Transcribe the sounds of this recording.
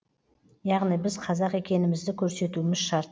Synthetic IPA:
jɑʁnijbɪzqʰɑzɑqe̞kʲe̞nɪmɪzd̪ɪkʲʰɵɾse̞t̪uɪmɪzʃɑɾt̪

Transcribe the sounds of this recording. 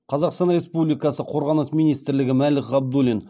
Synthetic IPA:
qʰɑzɑqst̪ɑnɾʲe̞spublijkɑsəqʰo̞ɾʁɑnəsmijnijst̪ɪɾlɪɡʲɪmælɪkɑb̚d̪ulin

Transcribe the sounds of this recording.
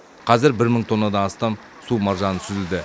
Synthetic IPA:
qʰɑzɪɾbɪɾməɴt̪ʰo̞nːɑd̪ɑnɑst̪ɑm | sumɑɾʒɑnəsʰʏzɪld̪ɪ

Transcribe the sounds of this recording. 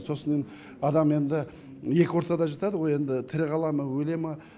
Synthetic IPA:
so̞səne | ɑd̪ɑme̞nd̪ɪ | je̞kʲɪwoɾt̪ɑd̪ɑʒɑt̪ɑd̪əʁo̞je̞nd̪ɪt̪ʰɪɾɪʁɑlˠɑməwɵle̞mɪ

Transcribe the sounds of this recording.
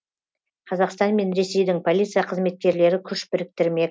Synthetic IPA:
qʰɑzɑqst̪ɑnme̞nɾe̞se̞jd̪ɪŋpʰo̞lʲˠit̪sɨijaqʰəzme̞t̪̚kʲe̞ɾle̞ɾɪkʲʰʏʃbɪɾɪk̚t̪ɪɾme̞k

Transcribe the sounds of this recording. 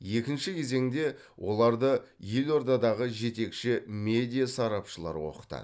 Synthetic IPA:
je̞kʲɪnʃɪkʲʰe̞ze̞ŋd̪e̞ | wʔo̞lˠɑɾd̪ə | je̞lo̞ɾd̪ɑd̪ɑʁəʒe̞t̪e̞kʃɪmʲe̞d̪ʲijasɑɾɑpʃəlˠɑ̰ɾwo̞̰qə̥t̪ɑ̰

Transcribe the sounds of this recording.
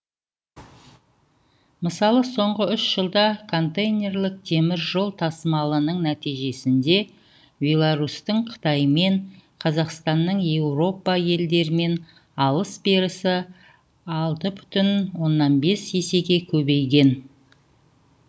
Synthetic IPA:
məsɑlˠəso̞ɴʁəʏʃʒəlˠd̪ɑkʰo̞nt̪ejnʲe̞rlɪk̚d̪ʰe̞mɪɾʒo̞lˠt̪ʰɑsəmɑlˠənəɴnæt̪ijʒe̞sɪnd̪e̞ | bʲe̞lˠaɾust̪əɴqʰə̥t̪ɑjme̞ɴqʰɑzɑqst̪ɑnːəɴje̞wro̞pɑje̞ld̪e̞ɾɪme̞n | ɑlˠəsbeɾɪsɪ | ɑlˠt̪əbʏ̥t̪ɪnwo̞nːɑnbe̞sese̞ɡʲe̞kʲʰɵbe̞jɡʲe̞n

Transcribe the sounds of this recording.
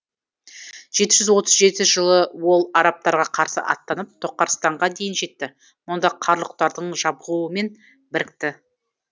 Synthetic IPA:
ʒ̥e̞t̪ɪʒʏzwo̞t̪əzʒe̞t̪ɪʒəlˠəwo̞lˠɑɾɑp̚t̪ɑɾʁɑqʰɑɾsə̰ʔɑ̰t̪ːɑnəp̚t̪ʰo̞qːɑɾst̪ɑɴʁɑd̪e̞jɪnʒe̞t̪ːɪ | mʊnd̪ɑqʰɑɾlˠəq̚t̪ɑɾd̪əɴʒɑbʁuəme̞n | bɪɾɪk̚t̪ɪ

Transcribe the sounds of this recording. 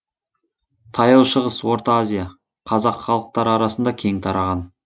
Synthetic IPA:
t̪ʰɑjɑlˠʃəʁəswo̞ɾt̪ɑazʲija | qʰɑzɑqχɑlˠəq̚t̪ɑɾɑɾɑsənd̪ɑkʲʰe̞ŋt̪ʰɑɾɑʁɑn

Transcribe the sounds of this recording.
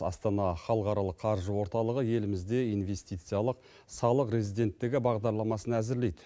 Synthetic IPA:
ɑ̰st̪ɑnɑχɑlˠəqɑɾɑlˠəqʰːɑɾʒəwo̞ɾt̪ɑlˠəʁəje̞lɪmɪzd̪e̞ijnve̞st̪ijt̪sɨjaɑlˠəq̚ | sɑlˠəqɾe̞zijd̪e̞nt̪ːɪɡʲɪbɑʁd̪ɑɾlˠɑmɑsənæzɪɾle̞jd̪

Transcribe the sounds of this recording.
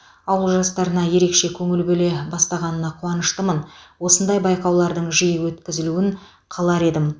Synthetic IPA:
ɑwəlˠʒɑst̪ɑɾənɑje̞ɾe̞kʃe̞kʲʰɵŋɪlbɵle̞bɑst̪ɑʁɑnənɑqʰuɑnəʃt̪əmənwo̞sənd̪ɑjbɑjqɑwlˠɑɾd̪əɴʒijɪwɵt̪kʲɪzɪluɪɴ | qʰɑlˠɑɾe̞d̪ɪm

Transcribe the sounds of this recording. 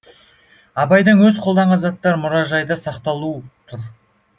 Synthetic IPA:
ɑbɑjd̪əɴwɵzqʰold̪ɑɴʁɑnzɑt̪ːɑɾmʊɾɑʒɑjd̪əsɑqt̪ɑlˠut̪ʰʊɾ

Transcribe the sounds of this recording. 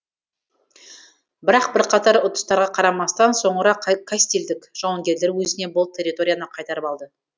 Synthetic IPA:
bɪɾɑq̚bɪɾqʰɑt̪ɑɾʊt̪ə̥st̪ɑɾʁɑqʰɑɾɑmɑst̪ɑnso̞ɴəɾɑkʰasi̥t̪ʲe̞ld̪ɪkʒ̥ɑwɑŋɡʲe̞ɾle̞ɾwɵzɪne̞bolˠəpt̪ʲʰe̞rʲːit̪o̞ɾʲijanɑqʰɑjt̪ɑɾəpɑlˠd̪ə

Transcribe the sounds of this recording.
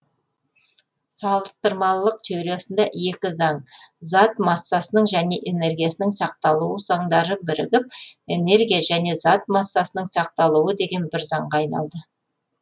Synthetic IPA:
sɑlˠəst̪əɾmɑlˠːəq̚t̪ʰewɾe̞sɪnd̪ɑje̞kʲɪzɑɴzɑt̪mɑsːɑsənəɴʒæne̞ʔe̞ne̞rɡʲijasɪnɪŋsɑq̚t̪ɑlˠuəz̥ɑɴd̪ɑɾəbɪɾɪ̰ɡʲɪp̚e̞ne̞ɾɡʲijaʒæne̞zɑt̪̚mɑsːɑsənəɴsɑq̚t̪ɑlˠuwəd̪e̞ɡʲe̞nbɪɾzɑɴʁɑːjnɑ̰lˠd̪ə

